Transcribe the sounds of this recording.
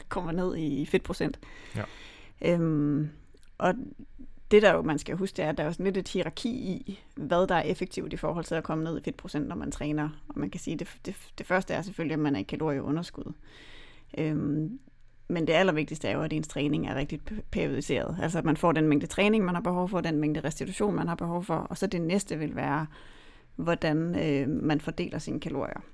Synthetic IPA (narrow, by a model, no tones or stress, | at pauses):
kʰɒ̽m̰ɐne̝ð̞̰ˠife̝d̥̚pʰʁo̝sen̰d̥ | ʔøm | ʔɒ̽ | d̥e̝ɾ̥ɑ̈jo̝mænsɡ̥æɦusɡ̥d̥eɐd̥ɑ̈josɒn̩le̝d̥e̝d̥hiʁɑ̈kʰḭːi | ʋæð̞ˠd̥ɑ̈æɐʔefəɡ̥̚t͡sʰiʊd̥ifɒ̰ːhɒ̽l̰t͡sʰe̝lækʰɒ̽məne̝ðˠife̝d̥̚pʰʁo̝̥sen̰d̥nɒmænt͡sʰʁɛːnɐɒ̽mænkʰæsiːd̥e̝d̥e̝d̥e̝fɶɐsd̥əæɐseføl̰jiæmænæɐikʰælʔo̝ɐ̰iʔɔ̽nɐsɡ̥uð̞̰ˠ | ʔøm | mend̥e̝æl̰ɐʋe̝ɡ̥̚d̥isd̥əæɐjoæɾe̝nst͡sʰʁɛːne̝ŋæɐʁeɡ̥d̥id̥pʰʁiuðˠise̝̰ːɐð̞ˠælsɒmænfɒ̰ːɾ̥enmeŋd̥ət͡sʰʁɛːne̝ŋmænhɑ̈b̥e̝hɒʊfɒ̽d̥enmeŋ̰d̥əʁɛsd̥it͡sʰuɕo̝̰ːnmænhɑ̈b̥e̝ɦɒʊfɒ̽ɒ̽sɒ̽d̥e̝nesd̥əʋe̝lʋæːɐ | ʋɒd̥ænømænfɒd̥e̝̰ːlʔɐsinəkʰælo̝ɐ̰jɐ